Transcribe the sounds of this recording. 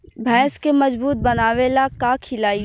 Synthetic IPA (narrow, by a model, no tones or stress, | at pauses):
bʱɛ̃ːskemɐd͡ʒbuːt̪̚bɐnaːʋelakakʰɪlaːi